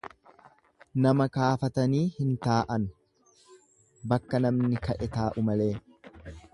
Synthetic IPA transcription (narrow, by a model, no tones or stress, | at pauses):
nɐmɐkaːfɐt̪ɐniːhɪnt̪aːʔɐn | bɐkːɐnɐmnɪkɐʔɛt̪aːʔʊmɐle̞ː